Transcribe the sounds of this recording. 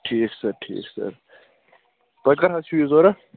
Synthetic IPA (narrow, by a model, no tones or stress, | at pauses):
ʈʰiːksɐɾʈʰḭːksɐ̰ɾ | t̪ɐkɐɾɦɐsʰiwizoːɾɐ